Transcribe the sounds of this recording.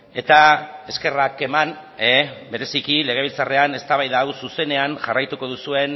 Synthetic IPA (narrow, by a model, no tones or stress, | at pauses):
e̞t̪ae̞ske̞rake̞man | ebe̞ɾe̞sikile̞ɣ̞e̞β̞ilt͡sare̞ane̞st̪aβajðaːwsuse̞ne̞anʝarajt̪uko̞ð̞usue̞n